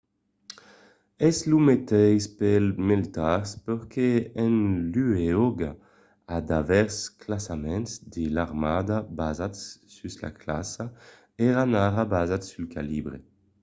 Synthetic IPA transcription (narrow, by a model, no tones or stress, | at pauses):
ɛslumet̪ɛjspɛlmelt̪aʁspøʁkʰeɛnlyeoɡa | ad̪avɛʁsklasamɛ̃nsd̪elaʁmaːd̪abazat̪sysla̰klasa | ɛʁanaʁabazat̪sylkalibʁe